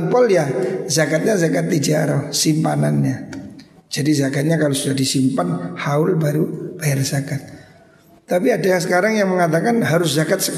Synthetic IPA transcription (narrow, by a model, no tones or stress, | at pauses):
npɔljazakat̪̚ɲazakat̪ːid͡ʒaɾɔsimpananɲa | d͡ʒadizakat̪̚ɲakalosudahdisimpanhaʊlbaɾub̥ajarz̥akat̪̚ː | apiadaahsəkaɾaŋjaŋməŋat̪̬akanɦaɾʊs̬zakat̪̚sə